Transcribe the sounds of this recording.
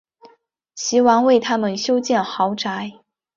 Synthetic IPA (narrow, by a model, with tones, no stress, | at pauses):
ɕi˧˥wɑ˧˥ŋwe˥˩ɪt̪ʰa˥mə˨nɕjo˥ʊt͡ɕjɛ˥˩nxɑ˧˥ʊʈ͡ʂa˧˥ɪ